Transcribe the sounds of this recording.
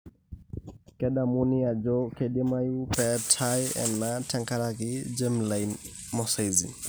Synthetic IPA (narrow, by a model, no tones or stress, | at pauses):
kɛdamunijad͡ʒɔkʰedimajupɛtʰajɛ̰natʰɛŋkaɾakid͡ʒemlajn | mɔsajzḭ